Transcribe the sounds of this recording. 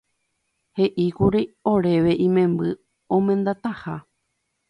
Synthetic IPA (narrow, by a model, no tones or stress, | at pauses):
he̞ʔikuɾio̞ɾe̞ʋe̞ʔĩmẽ̞mbɨ | õmẽ̞nd̪at̪aha